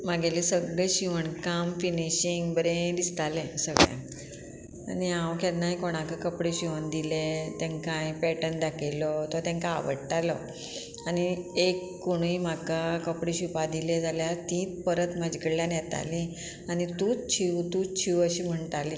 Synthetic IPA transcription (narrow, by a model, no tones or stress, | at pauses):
maɡelesəɡɭɛɕiʋəɳkamfiniɕiŋɡbəɾẽd̪ist̪alẽsəɡɭɛ̰̃ | a̰niãwkɛɾnajkoɽ̃ãkəkəpɽeɕiʋəɳd̪ilet̪ɛ̃ŋkãjpɛʈənd̪akʰelɔt̪ɔt̪ãŋka̰ːʋə̰ɽʈalɔ | añiekːoɽ̃iim̤akakəpɽiɕupad̪iled͡zaljat̪ĩːt̪pəɾət̪mad͡ʑkəɽljanjɛt̪a̰li | añit̪ũt͡st͡ɕʰiʋt̪ũt͡ɕʰiʋəɕiːm̤əɳʈali